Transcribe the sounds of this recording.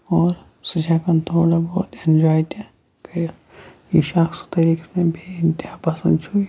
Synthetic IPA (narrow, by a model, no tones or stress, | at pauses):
ɔːɾ | sɐd͡ʒʱakɐnt̪ʰoːɽabɔːt̪end͡ʒaːjt̪ɛ | ki | jiʃaːksu̥t̪ɐɾiːksmẽbʱiɪnt̪ɪɦapɐsə̃nd̪t͡ʃʰui